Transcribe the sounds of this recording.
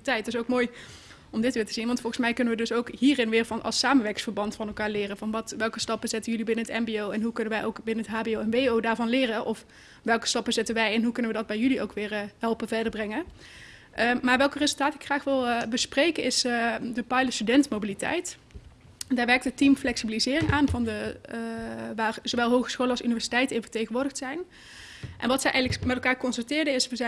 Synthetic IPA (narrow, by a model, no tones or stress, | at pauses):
tɛjt̚ɪs̬owkmoːj | ɔmdɪtʋɪːɹtəzinʋɑntfɔlˠχənsmɛjkɵnəʋədɵsowkɦiːrɪnʋɪːɹvɑnʔɑ̰lˠsaːmənʋɛɹkɪŋsfəɹbɑntfɑnɛlˠkaːɹlɪːrəvɑnʋɑtʋɛlˠkəstɑpəzɛtəjɵlibɪnəɦətɛmbiowɛnɦukɵnənʋɛjʔowkbɪnənətɦaːbiowɛnʋeowdaːɹvɑnlɪːrəʔɔf | ʋɛlˠkə̥stɑpəzɛtənʋɛjɛnɦukɵnəʋədɑd̚bɛjyliʔowkʋɪːɹɦɛlˠpəvɛɹdəɹbrɛŋə | ʔəmaːɹʋɛlˠkərezəlˠtaːtəɪkxraːχʋɪlˠbəsprejkəɪsdəpɑjləstydɛntmowbilitɛ̰jt | ndaːɹʋɛɹktətimflɛksibilizɪːrɪŋʔaːnvɑndə | ʋaːrz̥owʋɛlˠɦowχə̥sxowləɑlsynivɛɹsi̥tɛjtənɪnvə̥ɹtejɣənʋʊːɹdəxtsɛjn | ʔɛ̰nʋɑtsɛjʔɛjɣələkmɛtɛlˠkaːɹkɔnsəntɪːɹdəɪsʋəzɛ